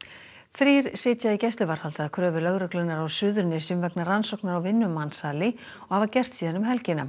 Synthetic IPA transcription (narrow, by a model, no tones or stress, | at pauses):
θɾiːɾ̥sɪːt̪jaicɛst̪lʏvaɾ̥halt̪aaðkʰɾœːvʏlœɣɾœklʏnaɾawsʏːðʏɾnɪsʏmvɛknaransɔwknaɾawvɪnːʏmːansaːlɪ | ɔɣhavacɛr̥t̪siːðɛnːʏmɦɛlcɪna